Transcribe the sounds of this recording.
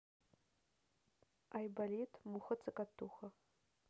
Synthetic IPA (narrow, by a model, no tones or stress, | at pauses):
ajbalitʰmuχət͡sʰɨkʼatʰːuxɐ